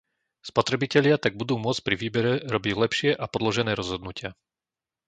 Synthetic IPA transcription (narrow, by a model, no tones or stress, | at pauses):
spɔt̪ɾɛbicɛʎɪat̪aɡ̚bud̪uːmʊɔt͡scpɾiʋiːbɛɾɛɾɔbiɟlɛpʃɪɛʔapɔd̪lɔʒɛnɛːɾɔzɦɔd̪nucɪa